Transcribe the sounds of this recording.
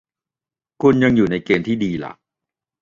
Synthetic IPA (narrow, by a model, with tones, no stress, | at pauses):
kʰu˧nja˧ŋjuː˨˩na˧jkeː˧mt̪ʰiː˥˩diː˧la̰˨˩k̚